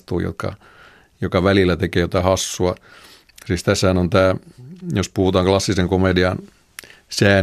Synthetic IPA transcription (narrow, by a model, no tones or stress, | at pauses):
t̪uːjo̰t̪̚kɑ̰ | jokɑʋælilːˑæt̪ekeːjot̪ɑhɑsːuɑ | siːst̪æshænont̪æːjospuhut̪ɑːŋklɑsːiseŋkomediɑn | sæː